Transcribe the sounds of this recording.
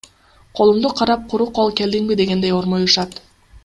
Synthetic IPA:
qʰo̞lˠumd̪uqʰɑɾɑp̚qʰʊɾuqolˠke̞ld̪iŋbid̪e̞ɡe̞nd̪e̞jo̞ɾmojuʃɑt̪

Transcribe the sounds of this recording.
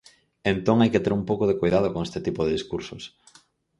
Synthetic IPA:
ent̪oŋajket̪eɾumpowkoð̞ekojðaðʊkoŋest̪eɪt̪ipʊðeðiskuɾsos

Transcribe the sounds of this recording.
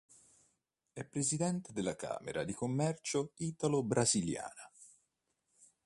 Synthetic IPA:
ɛpːɾezid̪ɛnt̪ed̪elːaka̰ːmḛɾad̪ikomːɛrt͡ʃoiːt̪alobɾazilja̰ːna

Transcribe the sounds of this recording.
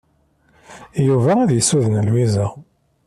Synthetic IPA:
juvææðjəsuðnəlwizæ

